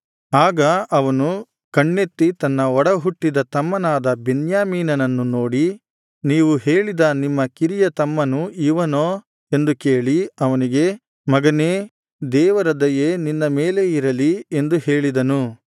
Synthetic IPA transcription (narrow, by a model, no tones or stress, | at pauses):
aːɡɐʔɐʋɐnu | kɐɳːe̞t̪ːit̪ɐnːɐɔɽɐɦuʈːid̪ɐt̪ɐmːɐnaːd̪ɐbenjaːmiːnɐnɐnːuno̞ːɽi | niːʋuɦeːɭid̪ɐnimːɐkiɾijɐt̪ɐmːɐnuiʋɐnoː | e̞nd̪ukeːɭiɐʋɐniɡe̞ | mɐɡɐneː | d̪ɛːʋɐɾɐd̪ɐjeːninːɐmeːle̞iɾɐlie̞nd̪uheːɭid̪ɐnu